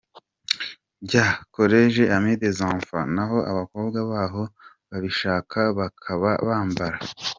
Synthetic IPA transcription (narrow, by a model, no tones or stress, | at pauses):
ɟako̞ɾeʒeʔamid̪ezãːɱfa̰naɦo̞ʔaβako̞ːbɡwaβaːɦo̞ | βaβiʃaːkʰaβakʰaβa̰βaːmbaɾa